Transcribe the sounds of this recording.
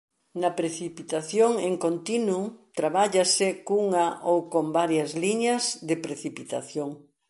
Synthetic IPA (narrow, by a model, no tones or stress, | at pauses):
nɐpɾeθipit̪aθjoŋeŋkont̪inut̪ɾaβaʎɐsɪkuŋɐʔowkombaɾjɐzliɲɐzðɪpɾeθipit̪a̰θjoŋ